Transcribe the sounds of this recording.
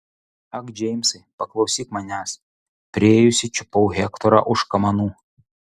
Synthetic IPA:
ɐɡd͡ʒʲɛɪmʲsɐɪpɐklˠɐʊsʲiːkmɐnʲæːs | pʲɾʲɪeːjʊsʲɪt͡ʃʲʊpɔʊɣʲɛkt̪ɔɾɑ̰ʔʊʃkɐmɐnuː

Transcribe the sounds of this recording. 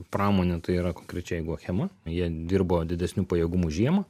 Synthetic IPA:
pɾɑːmoːnʲɛt̪ɐɪiːɾɐkoːŋkɾʲɛt͡ʃʲɛɛɪɡʊxʲɛmɐjiɛd̪ʲɪɾboːd̪ʲɪd̪ʲɛsʲnʲuːpɐjɛːɡʊmuʒʲiɛmɐ

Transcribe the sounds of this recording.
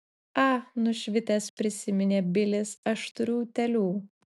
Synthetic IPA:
ɑnʊʃʲʋʲɪt̪ʲɛspʲɾʲɪsʲɪmʲɪnʲeːbʲɪlʲɪsɐʃt̪ʊɾʲuːt̪ʲɛlʲuː

